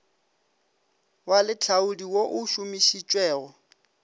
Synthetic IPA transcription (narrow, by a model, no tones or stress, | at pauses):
walɪt͡ɬʰaudiwoʔʊʃʊmiʃit͡ʃʼwɛːɣɔ